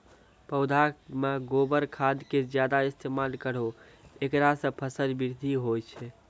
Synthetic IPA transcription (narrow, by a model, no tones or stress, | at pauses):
pəʊd̪ʱameɡobəɾkʰad̪ked͡ʒjad̪aist̪ʰemalkəɽ̤o | ekɾasə̃pʰəsəlbiɾd̪ʱiɦojt͡ʃʰɛ